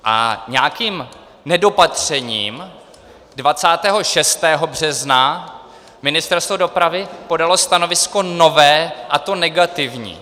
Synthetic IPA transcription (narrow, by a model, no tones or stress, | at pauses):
ʔa̰ɲɛakiːm | nɛdo̞pat̪r̝̥ɛɲiːm | dvat͡saːt̪ɛːɦo̞ʃɛst̪ɛːɦo̞br̝ɛzna | mɪnɪst̪ɛɾst̪vodo̞pɾavɪpo̞dalo̞st̪ano̞vɪsko̞no̞vɛːʔat̪o̞nɛɡat̪ɪvɲḭː